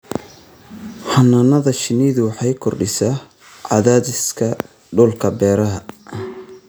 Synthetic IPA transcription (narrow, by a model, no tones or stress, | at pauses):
hɐnɐnɐðɐʃɪniːðʊwɑħɑjkʰɔrɖɪsa | ʕɑ̰ðaːðɪskʰɐ | ɖʊlkʰɐbɛːɾɐɦɐ